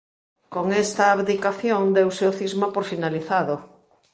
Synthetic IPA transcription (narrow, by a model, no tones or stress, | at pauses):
koŋest̪aːβðikaθjoŋd̪ewseoθizmapoɾfinaliθaðo